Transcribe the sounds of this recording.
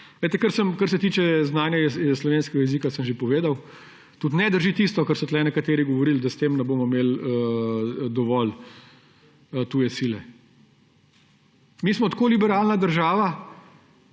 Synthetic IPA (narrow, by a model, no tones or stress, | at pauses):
ʋet̪ɛkəɾsəmkəɾsɛt̪iːt͡ʃɛznaːnjɛslɔʋeːnskɛɡajɛzikasəmʒepɔʋeːd̪aw | t̪ut̪nɛd̪əɾʒit̪ist̪ɔkɐɾsɔt̪lɛnɛkat̪eːɾiɡɔʋɔɾild̪ɐst̪eːmnɛboːmɔmeːlə | d̪ɔʋɔl | t̪uːjɛsilɛ | miːsmɔt̪koːlibɛɾaːlnad̪əɾʒaːʋa